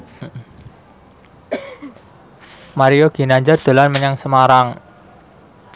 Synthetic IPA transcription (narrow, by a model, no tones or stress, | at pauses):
m̩ | maɾijoɡ̥i̤naɲd͡ʒard̪̥o̤lanməɲaŋsəmaɾaŋ